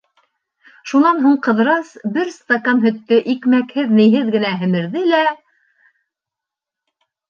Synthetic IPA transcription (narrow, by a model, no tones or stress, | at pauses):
ʃunɑnɦuɴqɤ̆ðɾɑsbɘɾst̪ɐkanɦɵ̆t̪ːɘʔikmækhɘðnɘ̆jɦɘðɡɘ̆næɦɘ̆mɘ̆ɾðɘlæ